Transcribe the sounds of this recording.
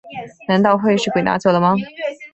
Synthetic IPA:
na˧˥nt̪ɑ˥˧ʊxwe˥˧ɪʂɻ̩˥˩kwe˨˩ɪna̰˧˥t͡ɕjo˨˩ʊd̪ə˦mɐ˧

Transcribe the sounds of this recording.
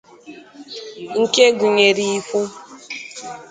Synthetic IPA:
ŋ̩˨ke˦ɡu˨ɲe˨ɾi˨i˦fu˦

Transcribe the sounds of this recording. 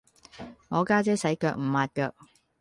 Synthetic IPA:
ŋɔː˨˧kaː˥t͡sɛː˥sɐ˨˥jkœː˧k̚m̩˨˩maː˨˧t̚kœː˧k̚

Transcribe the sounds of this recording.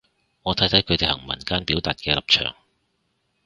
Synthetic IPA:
ŋɔː˨˧t̪ʰɐ˨˥jt̪ʰɐ˨˥jkʰɵ˨˧ɥt̪e˨jhɐ̰˨˩ŋmɐ̰˨˩nkaː˥npi˨˥wt̪aː˨t̚kɛː˧lɐ˨p̚t͡ʃʰœ̰ː˨˩ŋ

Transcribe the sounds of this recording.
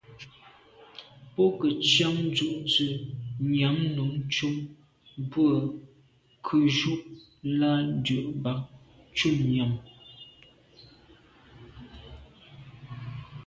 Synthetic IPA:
pɔ˦kə˨t͡ʃja˦ŋd͡ʒu˦˨ʔt͡sə˨ɲa˨˦mnu˨˦ŋt͡ʃu˦m | bwə˦˨ | kʰʉ˨ʒu˦ʔ | la˦n˦dɥə˨ʔba˦ŋ | t͡ʃu˦˨mɲa˨m

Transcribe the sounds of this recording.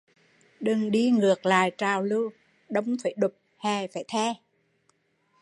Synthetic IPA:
ɗɨ˨˩ŋɗi˧ŋɨ˨˩ək̚la̰ː˧˨jt͡ɕaː˨˩wlɨ˧w | ɗə˧wŋ͡mfaː˧˩jɗʊ˨˩p̚hɛ˨˩faː˧˩jt̪ʰɛ˧

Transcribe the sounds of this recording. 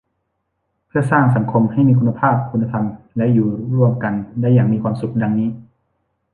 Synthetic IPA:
pʰɯ˥˩ɐsaː˥˩ŋsa˨˩˦ŋkʰo˧mha˥˩jmiː˧kʰu˧nːa˧pʰaː˥˩p̚kʰu˧nːa˧t̪ʰa˧m | lɛ˦˥ʔjuː˨˩ɾu˥˩əmka˨ndɛ˧˥jaː˨˩ŋmiː˧kʰwaː˧msu˨˩k̚da˧ŋniː˦˥˨

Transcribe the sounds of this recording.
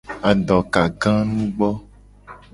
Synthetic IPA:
a˨ɖɔ˨ka˨ɡã˦nũ˦ɡ͡bɔ˦

